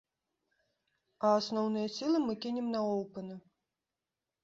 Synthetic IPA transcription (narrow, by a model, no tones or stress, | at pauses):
ɐːsnɔwnɨjɐsʲilˠɨmɨkʲinʲɛmnɐɔwpɨnɨ